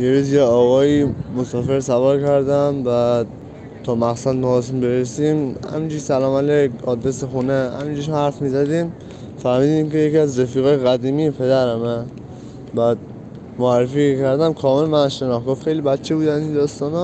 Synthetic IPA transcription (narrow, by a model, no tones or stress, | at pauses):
jeɾuzjeɒɣɒjimosɒfeɾsævaɾkʰæɾd̪æmbæd̪ | t̪ʰɒmæqsæd̪mːsimbeɾesimhæ̰mid͡ʒisælɒːmælekhɒd̪ɾesexunehæ̰mid͡ʒiʃmhæɾfmizæd̪im | fæɾmid̪imkejekiæzɾefiːɣɒːjeɣæd̪imiepʰed̪æɾæmæ | bæd̪̚ | moæɾːefikʰæɾd̪æmkʰɒmelmænʃenɒxɡɔfxejlibæt̪t͡ʃʰebud̪ænind̪ɒst̪ɒnɔ